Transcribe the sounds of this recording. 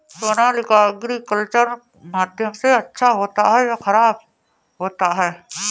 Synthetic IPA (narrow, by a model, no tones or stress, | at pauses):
soːnaːlɪkaɐɡɾikəlt͡ʃəɾ | maːd̪ʱjəmseɐtːʃʰaɦoːt̪aɦɛjaxɐɾaːb | ɦoːt̪aɦɛː